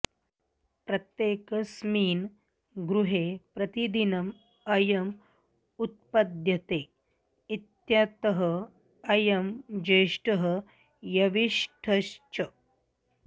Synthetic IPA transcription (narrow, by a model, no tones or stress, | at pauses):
pɾɐt̪jeːkɐsmiːn | ɡɾuɦepɾɐt̪id̪inɐm | ɐjɐm | ut̪̚pɐd̪jɐt̪e | it̪jat̪əɦə | ɐjɐmd͡ʒɐjʂʈɐɦə | jɐʋiʂʈʰɐʃt͡ʃɐ